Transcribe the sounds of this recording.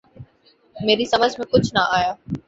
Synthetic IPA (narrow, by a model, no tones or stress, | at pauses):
meːɾisɐməd͡ʑʱmẽkʊd͡ʑʱnɐʔaːjaː